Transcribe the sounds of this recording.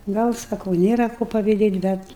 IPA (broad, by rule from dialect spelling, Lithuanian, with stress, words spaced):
ˈɡɐlˠ sɐˈkɐʊ ˈnʲeːrɐ koː pɐʋʲɪˈdʲeːtʲ ˈbʲɛt